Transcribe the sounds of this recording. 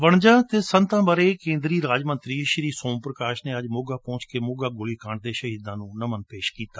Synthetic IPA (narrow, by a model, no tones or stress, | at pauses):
ʋəɳd͡ʒãːt̪eːsə̃nt̪ãːbəɾeːkẽːnd̪ɾiːɾaːd͡ʒmə̃nt̪ɾiːʃɾiːsõːmpɾəkaːʃneːəd͡ʒmʊɡaːpɔ̃ːt͡ʃkeːmʊɡaːɡʊliːkaɳd̪eːʃəɦiːd̪ãːnũːnəmənpeːʃkiːt̪aː